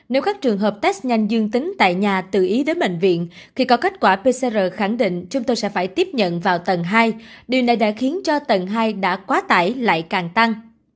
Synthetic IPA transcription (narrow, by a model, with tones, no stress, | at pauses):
ne˨˦wkaː˦˥k̚t͡ɕɨ˨˩əŋɦəː˨˩p̚t̪ɛ˦˥s̚ɲa˧jŋ̟zɨ˧əŋt̪ï˨˦ŋ̟t̪a̰ː˧˨jɲaː˨˩t̪ɨ̰˧˨ʔi˨˦ɗe˨˦ɓḛ˧˨ŋ̟vḭ˧˨ən | xʰi˨˧˩kɔ˨˦ka˦˥jt̚kwaː˧˩pe˧sɛ˧zəː˨˩xa˧˩ŋɗḭ̈˧˨ŋ̟t͡ɕʊ˨˦ŋ͡mt̪o˧jsɛ̰˧˥faː˧˩jt̪i˦˥əp̚ɲə̰˧˨nvaː˨˩wt̪ə˨˩nɦaː˧jɗi˨˩wna˨˩jɗa̰ː˧˥xi˨˦ənt͡ɕɔ˧t̪ə˨˩nɦaː˧jɗa̰ː˧˥kwaː˨˦t̪aː˧˩jla̰ː˧˨jkaː˨˩ŋt̪a˧ŋ